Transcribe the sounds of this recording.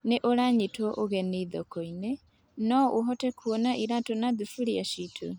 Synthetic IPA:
neʔoɾaɲitwɔʔoɣɛneiðokoinɛ | nɔʔoɦɔtɛkʰwonaʔiɾatonaðufuɾiaʃitʰo̰

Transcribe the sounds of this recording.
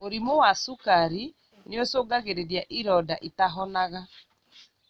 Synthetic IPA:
oɾimowasukaɾi | neosoɡaɣeɾeɾjaʔiɾɔdaʔitaɦɔnaɣa

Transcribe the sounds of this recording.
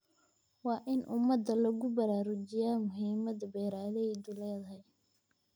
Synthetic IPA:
wɑːʔɪnʔʊmɐd̪ɐlɐɣʊbɐɾaːɾʊd͡ʒɪjaːmʊɦiːmɐd̪ɐbɛːɾaːlɛjd̪uːlɛːðɐɦɛj

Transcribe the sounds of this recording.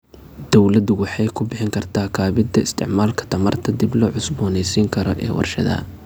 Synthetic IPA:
d̪̥ɔwlɐd̪ʊwɑħɑjkʰʊbɪħɪŋkʰɐrt̪ʰaːkʰaːβɪd̪ɐɪst̪ʰɪ̰ʕmaːlkʰɐ̥t̪ʰɐmɐrt̪ʰɐd̪ɪblɔːʕʊsbɔːnɛjsiːŋkʰɐɾɔ̰ʔɛ̰ːwɑ̰rʃɐ̰ðɐ̰

